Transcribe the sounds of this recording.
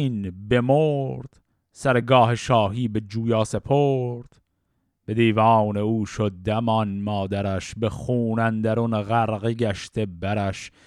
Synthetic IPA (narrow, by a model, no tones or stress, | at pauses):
iːnbe̞moɾd̪̥ | sæɾeɡɒːheʃɒːɦiːbe̞d͡ʒuːjɑːse̞pʰoːɾd̪̥ | b̥e̞d̪iːvɑːne̞uːʃod̪̚d̪ːæmɒːnmɒːd̪æɾæʃbe̞xuːnænd̪æɾonɣæɾɣeɡæʃt̪ʰebæɾæʃ